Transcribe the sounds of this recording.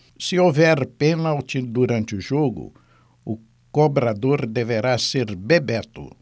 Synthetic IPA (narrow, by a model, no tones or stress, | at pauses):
sɪovɛɾpenalt͡ʃ̪ɪd̪uɾɐ̃nt͡ʃ̪ɪʊʒoɡʊ̰ | ʊ | kobɾad̪oɾd̪eveɾaseɾbebɛt̪ʊ̰